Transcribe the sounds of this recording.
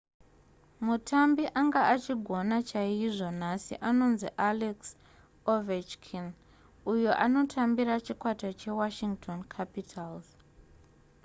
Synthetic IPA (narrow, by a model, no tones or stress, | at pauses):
mutʰambiʔaŋɡaat͡ʃiɡʱo̞nat͡ʃaiʐo̞nasḭʔano̞nziʔaleks | ovet͡ʃkʰin | ujoʔano̞tʰambiɾat͡ʃikwatat͡ʃe̞waʃiŋɡtʰo̞nkʰapitʰalz